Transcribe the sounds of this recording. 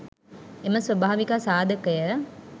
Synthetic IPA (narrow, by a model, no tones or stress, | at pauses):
eməsʋɐbaːʋikasaːd̪ɐkɐjə